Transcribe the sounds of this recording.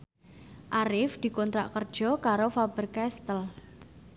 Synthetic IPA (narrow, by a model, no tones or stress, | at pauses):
ʔaɾɪfd̪̥i̤kɔnt̪ɾa̰ʔkərd̥ʒ̥ɔ̤kaɾofab̥ərkɛst̪əl